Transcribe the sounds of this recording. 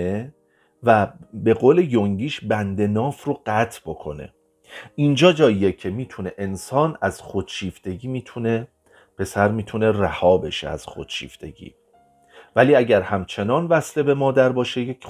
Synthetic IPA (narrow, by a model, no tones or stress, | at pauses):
e | væbe̞ɣoːle̞joŋɟiːʃbænd̪e̞nɒːfroɢæt̪ʰbo̞kʰo̞̰ne̞̰ | ind͡ʒɒːd͡ʒɒːjijecʰe̞miːt̪ʰune̞ʔensɒːnæz̥xo̞d̪ʃiːft̪e̞ɟiːmiːt̪ʰune̞ | pe̞sæɾmiːt̪ʰune̞ræhɒːbe̞ʃḛæ̰z̥xo̰d̪̥ʃḭːft̪ʰe̞ɟḭː | væliːæɟæɾhæmt͡ʃʰe̞nɒːnvæsle̞be̞mɒːd̪æɾbɒːʃejekʰ